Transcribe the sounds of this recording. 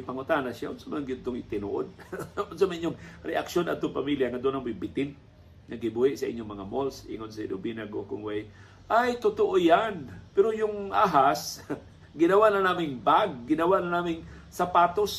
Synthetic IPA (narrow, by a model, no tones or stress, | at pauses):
pɐŋʊt̪anaʃjaʔʊnsamanɡɪd̪̚t̪oŋɪt̪ɪno̰ʔo̰d̪̚ʔʊnsamaʔiɲːʊŋɾɛʔakʃona̰d̪̚t̪oŋpamiljaŋɐd̪onaŋbʊjbɪt̪ɪn | ŋɐɡɪbuhɪʔsɐʔɪ̰ɲːoŋmɐŋamolsʔɪ̰ŋod̪̚sɐḭnːobinaɡokʊŋwɛj | ʔajt̪ʊt̪oʔojanpɛɾojʊŋʔaɦas | ɡɪnɐwaʔnɐnaːmɪŋbaɡ̚ːɪnɐwaʔnɐnaːmɪŋ | sapaːt̪os